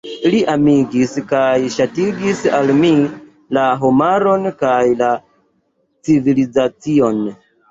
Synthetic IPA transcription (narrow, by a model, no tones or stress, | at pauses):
liʔamiɡiskajʃatiɡisalmi | laɦomaɾo̞nkajla | t͡sivilizat͡sio̞n